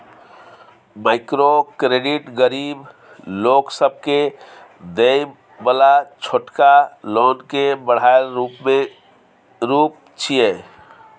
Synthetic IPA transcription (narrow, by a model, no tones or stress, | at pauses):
maɪkɾokɾeɖiʈɡəɾib | loksəb̚ʱke | d̪ej | bəlat͡ʃʰoʈkalɔːnkebəɽ̤aeɾupmẽ | ɾup̚ | t͡ʃʰije